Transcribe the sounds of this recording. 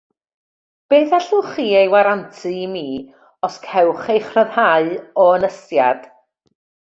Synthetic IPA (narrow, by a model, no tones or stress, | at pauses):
b̥eːθaɬʊχiːejwaɾantʰɨmiː | ɔskʰɛwχejχrəðhaɨɔənəsja̰d̥